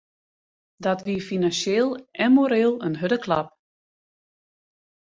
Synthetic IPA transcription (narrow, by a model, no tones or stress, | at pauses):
dɔtʋifinansjeːlˠʔɛnmoɾeːlˠənɦødəkʰla̰p̚